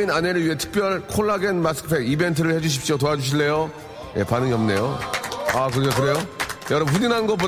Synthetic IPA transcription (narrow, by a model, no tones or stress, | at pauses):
inaneɾɯɭɥiɦe̞tʰɯ̥k̚p͈jʌɭkʰoɭːaɡenmas͈ʰɯ̥pʰeɡibe̞ntʰɯɾɯɭhe̞d͡ʑuɕ̬ʰip̚ɕ͈otoɦad͡ʑuɕ̬ʰiɭːe̞jo | je̞̰panɯŋiʌmne̞joakɯɾɡekɯɾe̞jojʌɾʌmp̬uɲinɦannɡʌp̬͈o